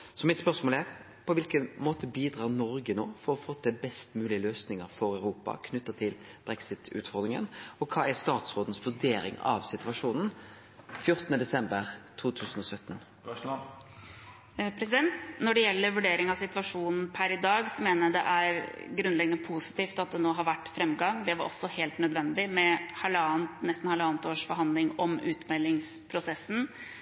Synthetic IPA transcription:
sɔmɪt̪spœʁsmoːlæɾ | pʰɔʋɪlkənmoːt̪əbiːd̪ɾɑːʁnɔɾɡəno̰ːfɔɾɔfoːt̪ʰɪlbɛst̪mʉːlɪəløːsnɪŋəɾfɔɾœʉɾuːpɑ̰kʰnʉt̪ːət̪ʰɪlb̥ɾɛksɪt̪ʉ̰ːt̪fɔʁd̪ɾɪŋə̰nɔkʰɑːæst̪ɑːt̪sɾoːd̪n̩sʋʉɖeːɾɪ̰ŋɑ̰ʋsɪt̪ʋɑʂuːnn̩ | fjʊɾt̪ənəd̪ɛsɛmbəɾt̪ʰuːt̪ʰʉːsən̩ɔsœt̪ːn | pʰɾɛsɪd̪ɛnt̪nɔɖɛjɛlːəɾʋʉɖeːɾɪŋɑʋsɪt̪ʋɑʂuːnn̩pʰæɾɪd̪ɑːɡsɔmeːnəd̪ɛ̰ʔæɾɡɾʉnlɛɡənəpʰusɪ̥t̪iːft̪ɑt̪̚d̪ɛnoːɦɑɾʋæʈːfɾɛmɡɑŋd̪ɛʋɑɾʔɔ̰sːɔheːlt̪nœd̪ʋɛnd̪ɪmɛhɛlɑːnt̪nɛst̪n̩hɑlɑːnt̪oːʂfɔɾɦɑnd̪lɪŋɔmʉːt̪mɛlːɪŋs | pʰɾʊsɛsːn̩

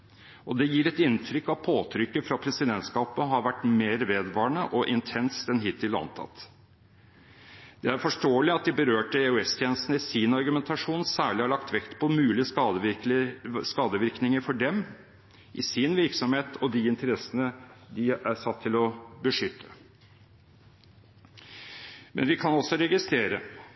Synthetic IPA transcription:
ɔd̪ɛjiːɾɛt̪ɪnːt̪ʰɾʏkːɑʋpʰoːt̪ʰɾʏkːəfɾɑpʰɾɛsɪd̪ɛnt̪skɑːpəɦɑɾʋæʈːmeːɾʋeːd̪ʋɑːɳəʔɔʔɪnt̪ʰɛnst̪ɛnɦɪt̪ʰːɪlɑ̰nt̪ʰɑ̰t̪ː | d̪̥ɛæɾfɔʂʈoːəlɪɑt̪̚d̪ɪbəɾøːʈəɛʉɛst̪ʰjeːnəst̪n̩əɪsɪnɑɾɡʉmɛnt̪ʰɑʂuːnsæːɭɪhɑɭɑkt̪ʋɛkt̪pʰɔmʉːlɪɑ | skɑːd̪əʋɪɾknɪŋəɾfɔɖɛm | ʔɪsɪnʋɪɾksɔmheːt̪ʰɔd̪iɪnt̪əɾɛsːənəd̪ɪæsɑt̪ʰːɪlɔbəʂʏt̪ʰːə̥ | mʔɛ̰nʋɪkʰɑnɔsːɔɾɛɡɪst̪ɾeːɾə

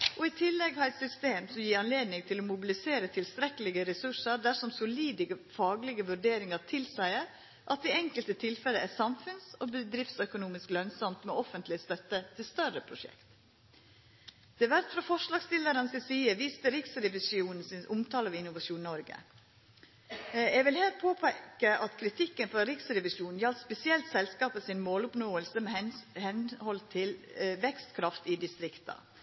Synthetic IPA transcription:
ʔɔɪt̪ʰɪlːɛɡhɑɾɛt̪sʏst̪eːmsɔmjiːɾɑnleːd̪nɪŋt̪ʰɪlɔmʊbɪlɪseːɾət̪ʰɪlst̪ɾɛkəlɪɡəɾɛsʉʂəɾd̪æʂɔmsʊliːd̪əɡəfɑːɡlɪɡəʋʉɾɖeːɾɪŋɑɾt̪ʰɪlsæɪəɾ | ʔɑt̪̚d̪ɪɛŋkəlt̪ət̪ʰɪlfɛlːəæsɑmfʉnsobəd̪ɾɪft̪sœkʊnuːmɪsklœnsɔmt̪mɛɔfənt̪lɪəst̪œt̪ːət̪ʰɪlst̪œrəpʰɾʊʂɛ̰kt̪ | d̪̥ɛʋæɾt̪fɾɑfɔʂlɑːɡst̪ɪlːəɾənsɪsiːəʋiːst̪əɾɪksɾɛʋɪsuːnn̩sɪnʔʊmt̪ʰɑːləʋɪnʊʋɑʂuːnnɔɾɡə̰ | jɛɡʋɪlhɛːlt̪̚pʰoːpʰɛkəʔɑt̪kʰɾɪt̪ʰɪkːənfɾɔɾɪksɾɛʋɪʃuːnn̩jɑlt̪spɛsɪɛlt̪sɛlskɑːpəsɪnmoːlʊpnoːəlsəmɛhɛnhɔlt̪ʰɪlʋɛkst̪kʰɾɑft̪ɪd̪ɪst̪ɾɪkt̪ɑ̰

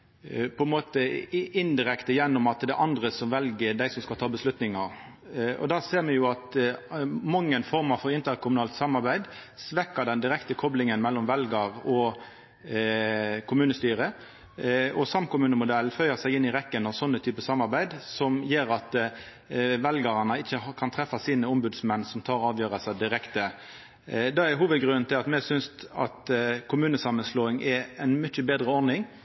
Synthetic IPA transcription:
pʰɔɛnmoːt̪əɪnd̪ɪɾɛkt̪əjɛnːʊmɑt̪d̪ɛʔɑnd̪ʁəsɔmʋɛlɡəd̪æɪsɔmskɑlt̪ʰɑːbəslʉt̪nɪŋɑʁ | ɔ̰d̪ɑːseːʁmɛjʊɑt̪ | mɑŋːənfɔʁmɑfɔʁɪnt̪əʁkʰʊmʉnɑːlt̪sɑmːɑɾbæɪd̪sʋɛkːəd̪ɛnd̪ɪɾɛkt̪əkʰɔblɪŋənmɛlːɔmʋɛlɡəʁɔ | kʰʊmʉːnəst̪yːʁə | ɔsɑmkʊmʉːnəmʊd̪ɛlfœʏəsæɪɪnːɪʁɛkːənɑʋsɔnːət̪ʰyːpəsɑmːɑʁbæɪd̪sɔmjeːɾɑt̪ | ʋɛlɡəʁɑnəɪçːəkʰɑnt̪ʰʁɛfːɑsiːnəʊmbʉd̪smɛnːsɔmt̪ʰɑːɾɑːʋjøːʁəsæd̪ɪʁɛkt̪ə | d̪ɑɛɦuːʋəd̪ɡɾʉnn̩t̪ʰɪlɑt̪mɛsʏnsɑ̰t̪kʰʊmʉːnəsɑmənsloːɪŋʔɛɛnmʏçəbeːd̪ʁəɔɾnɪŋ

